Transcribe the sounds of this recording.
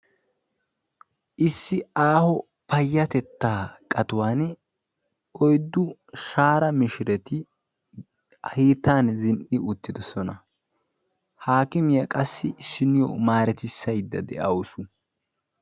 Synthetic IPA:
ʔɪsːɪaːhɔ | pɐjːɐt̪ɛt̪ːaːkʼɐt̪ʊwaːn | ʔɔjd̪ːʊʃaːɾɐmɪʃɪɾɛt̪ɪ | hiːt̪ːaːnzɪnʔɪʊt̪ːɪd̪ɔsɔnɐ | haːkɪmɪjɐkʼɐsːɪsɪnɪjɔ̰maːɾɛt̪ɪsːɐjd̪ːɐd̪ɛ̰ʔɐwʊsʊ

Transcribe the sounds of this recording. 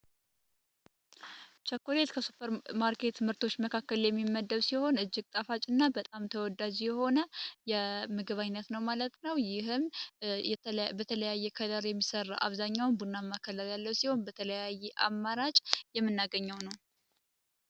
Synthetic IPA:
t͡ʃʰəkːolet̪kʰəsupʰːəɾmaɾkʰe̞t̪mɨɾt̪ʰo̞t͡ʃːməkʰakːəljɛmːimːəd̪ːəβsiho̞nɨd͡ʒːɪɡt̪ʼafat͡ʃʼɨnːabət̪ʼamt̪ʰəwɔd̪ːad͡ʒjɛho̞nəjɛmɨɡɨβaɲnːət̪nəwmalət̪nəwjɪɦɨm | bət̪ʰələjajːɛkʰəd̪əɾjɛmːisərːaʔa̰βzaɲːawnbunːamːakʰələɾjalːəwsiho̞nbət̪ʰələjajːɛʔamːaɾat͡ʃʼjɛmːɨnːaɡəɲːɛwnəw

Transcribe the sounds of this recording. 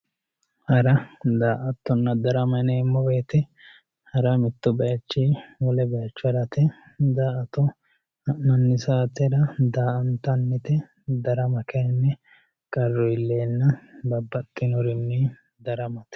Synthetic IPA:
hɐɾɐd̪aːʔɐt̪ːɔnːɐd̪ɐɾɐmɐneːmːɔbeːt̪ɛ | hɐɾɐmɪt̪ːɔbɐjɐt͡ʃːiːwɔlɛbɛjɐt͡ʃːʊɐɾɐt̪ɛ | d̪aːʔɐt̪ːɔ | mɐnːɪsaːt̪ɛɾɐd̪aːʔɐnt̪ɐnːɪt̪ɛ | d̪ɐɾɐmɐkɐnːɛ | kʼɐrːɔjɪlːeːnːɐbɐbːɐt̪ʼːɪnɔɾɪnːɛ | d̪ɐɾɐmɐt̪

